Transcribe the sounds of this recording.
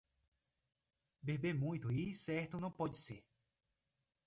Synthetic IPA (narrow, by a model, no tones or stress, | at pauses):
bebemũj̃t̪uisɛɾt̪unɐ̃w̃pɔd͡ʒise